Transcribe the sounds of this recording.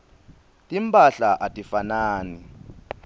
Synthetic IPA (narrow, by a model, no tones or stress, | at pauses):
tʼim̩pʼaɬaʔatʼifanaːni